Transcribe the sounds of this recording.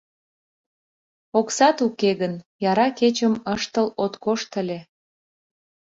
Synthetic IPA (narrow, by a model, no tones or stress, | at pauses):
oksɑt̪ukeɣənjɑɾɑket͡ɕəməʃt̪əlot̪koʃt̪əlʲe